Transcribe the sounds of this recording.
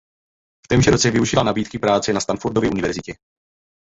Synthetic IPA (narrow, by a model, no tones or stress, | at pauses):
ft̪ɛːmʒɛɾot͡sɛvɪuʒɪlanabiːt̪kɪpɾaːt͡sɛnast̪anfuɾdovjɛʔunɪvɛɾzɪcɛ